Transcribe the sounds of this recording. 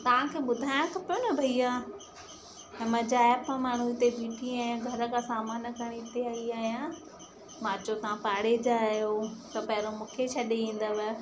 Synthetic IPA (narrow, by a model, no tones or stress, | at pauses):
t̪ɐʋ̤ãkʰeːɓʊd̪ʱaːjãkʰɐpijonɐbʱɐiaː | ẽmɐ̃d͡ʑaːɛpamaːɽ̤uɪt̪ebiːʈʰiaːɦjijãɡʱɐɾəkʰasaːmaːnəkɐɽ̃it̪eaːiaːɦjã | mãːt͡ɕot̪ɐʋãpaːɽed͡ʑaːjot̪ɐpɐɦɪɾomũːkʰet͡ɕʰɐɗeĩːn̆d̪əʋə